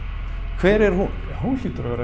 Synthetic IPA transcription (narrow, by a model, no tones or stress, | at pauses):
kʰv̥ɛːɾɛɾ̥hu̥ | ɦunliːt̪ʏɾavɛːɾa